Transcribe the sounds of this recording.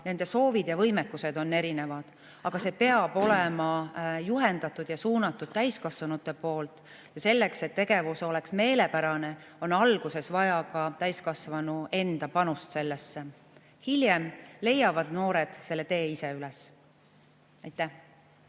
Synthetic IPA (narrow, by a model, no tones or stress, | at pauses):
ne̞nd̪e̞so̞ːvid̪̥jɑvɤ̞jmɛkːuse̞d̪o̞nːe̞ɾine̞vɑd̪̥ | ɑɡ̥ɑse̞ːpe̞ɑb̥o̞lemɑjuɦe̞nd̪̥ɑt̪ːˑud̪̥jɑsuːnɑt̪ːˑud̪̥̚t̪æjskɑsvɑnut̪ːˑe̞po̞ːlt̪ˑ | jɑse̞lːe̞kse̞t̪ːe̞ɡ̥e̞vuso̞le̞ksme̞ːle̞pæɾɑne̞ | o̞nɑlɡ̥use̞svɑjɑkɑt̪æjskɑsvɑnue̞nd̪̥ɑpɑnust̪se̞lːesːe | hiljemle̞jːɑvɑd̪̥no̞ːɾe̞d̪̥se̞lːe̞t̪e̞ːise̞yles | ɑjt̪ːˑæh